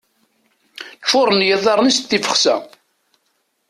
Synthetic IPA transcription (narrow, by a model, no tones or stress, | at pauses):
fʊɾˤənjəðˤɑɾˤnist̪ːifə̥χsæ̰